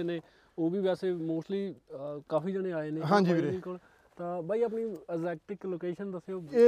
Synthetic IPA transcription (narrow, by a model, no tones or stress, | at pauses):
eːneː | oːbiːʋɛːseːmoːsʈliːkaːfiːd͡ʒaːɽ̃ẽːaːeːneːɦãːd͡ʒiĩːkol | t̪ãːbaːiːəːp̬niːɛzɛːk̚ʈɪkloːkeːʃənd̪əseoː